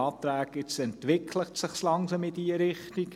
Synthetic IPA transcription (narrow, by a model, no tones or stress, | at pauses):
ɑːt̪ɾæːɡɪt͡sɛntʋɪkʰləʁt̪səχslɑŋsɑmɪid̪iəɾɪχt̪ik